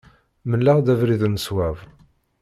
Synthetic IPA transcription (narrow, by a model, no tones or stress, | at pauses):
məlːaʁd̪ævɾiðnəswæv